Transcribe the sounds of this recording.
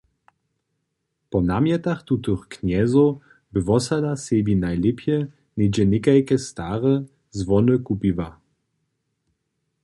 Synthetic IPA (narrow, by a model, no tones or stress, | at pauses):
pɔnamjɛt̪axt̪ut̪ɨxkɲɛzo | bɘvɔsad̪asebinajlɛpjɛ | nʲed͡ʑɛnʲɪkajkɛst̪aːʁə | zvɔnɨkupiva